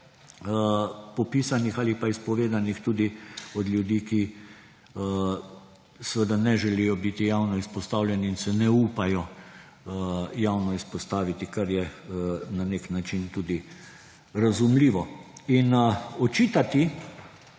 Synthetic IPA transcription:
pɔpiːsanixaːlipaispɔʋeːd̪anixt̪uːd̪iɔd̪lʲjud̪iːki | sʋəd̪anɛʒɛlijɔbit̪ijawnɔispɔst̪aːwlʲjɛniinsɛnɛuːpajɔ | jawnɔispɔst̪aːʋit̪ikaɾjɛnaneknat͡ʃint̪uːd̪i | ɾazumliːʋɔinɔt͡ʃiːt̪at̪i

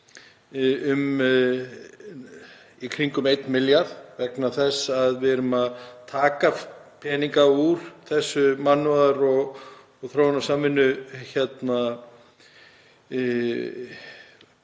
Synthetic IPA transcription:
ʏm | ikʰɾiŋkʏmejt̪nmɪljaɾðvɛknaθɛsːaðvɪðɛɾʏmaðt̪ʰaːkapʰɛːniŋkauɾ̥θɛsːʏmanːvaðaɾɔɣ | ɔɣθɾowanḁsaːmːɪnːʏçɛt̪na

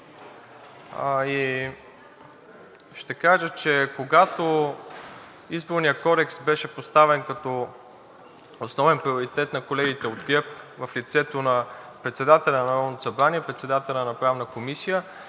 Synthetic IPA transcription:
i | ʃt̪ɛkaʒət͡ʃɛkoɡat̪o | izboɾnijəkɔd̪ɛksbɛʃɛpost̪avɛnkɐt̪ɔ | osnɔvɛnpɾioɾit̪ɛt̪nɐkolɛɡit̪ɛod̪ɡɛp̚vɐflit̪sɛt̪onɐpɾɛt̪sɛd̪at̪ɛlʲɛnɐnɐɾɔvnt̪osɐbɾaniɛpɾɛt̪sɛd̪at̪ɛlʲnɐnɐpɾavnəkomisijə

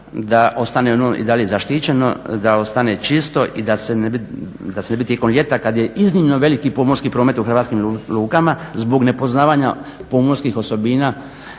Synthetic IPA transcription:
d̪aʔo̞st̪aneonoḭd̪aliezaʃt̪it͡ɕe̞no̞̰d̪ao̞st̪ane̞t͡ʃist̪o̞ʔid̪asene | d̪asenebit̪jeko̞mlʎʲe̞t̪akad̪je̞iznimnoʋe̞likipomoɾskipɾoːme̞t̪uxɾʋat̪skimluːkamazbo̞ɡne̞po̞znaːʋaɲapomoɾskixo̞so̞biːnaː

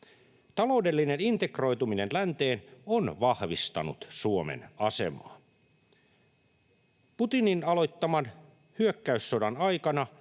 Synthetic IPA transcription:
t̪ɑlo̞ude̞lːinenint̪e̞kro̞jt̪uminenlænt̪e̞ːnonʋɑhʋist̪ɑ̰nṵt̪suomḛnɑse̞̰mɑ̰ː | put̪ininɑlo̞jt̪ːɑmɑn | hyøkːæysːodɑnɑjkɑnɑ

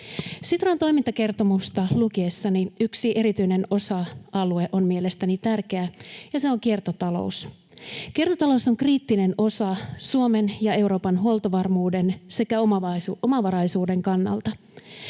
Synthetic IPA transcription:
sit̪rɑnt̪o̞jmint̪ɑke̞rt̪o̞must̪ɑluk̟iesːɑniyksiʔe̞ɾit̪yjne̞no̞sɑʔɑlue̞ʔo̞nmie̞le̞st̪ænit̪ærk̟e̞æjɑse̞oŋkie̞rt̪o̞t̪ɑlo̞̰us | kirt̪ot̪ɑlouso̞ŋkriːt̪ːine̞no̞sɑsuome̞njɑe̞wɾo̞ːpɑnɦuolt̪ɑʋɑrmuːde̞nse̞kæomɑomɑʋɑɾɑjsuːde̞ŋkɑnːɑ̰lt̪ɑ

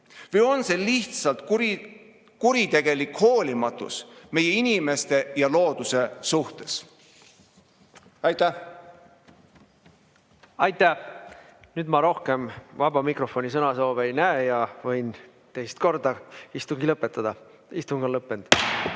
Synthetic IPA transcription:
vɯjo̞nse̞liht̪sɑlt̪ | kuɾit̪e̞ɡ̥e̞likho̞ːlʲimɑt̪ˑṵsme̞je̞inime̞st̪e̞jɑlo̞ːd̪̥use̞suht̪e̞s | ɑjt̪æ | ɑjt̪æ | nyːd̪mɑɾo̞hke̞mvɑbɑmikro̞fo̞nʲisɤnɑso̞ːvejnæejɑvɤjn | t̪e̞jst̪̚ko̞rd̪ɑist̪uŋɡilɤpːˑet̪ːˑɑd̪̥ɑ | ist̪uŋɡ̥ɑlɤpːˑend̪̥

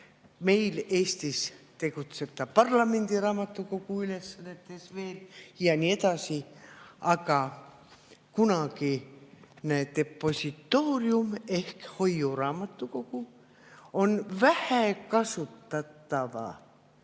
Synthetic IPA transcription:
me̞ileːst̪ist̪e̞kut̪set̪ːɑpɑrlɑme̞nd̪irɑːmɑt̪ːukokuylesːɑnet̪ˑːesveːljɑniet̪ɑsiɑkɑ | kunɑki | næt̪epːosʲit̪ːoːriumehkhojːurɑːmɑt̪ːuko̞ku | onvæhækɑsut̪ːɑt̪ːɑʋɑ̰

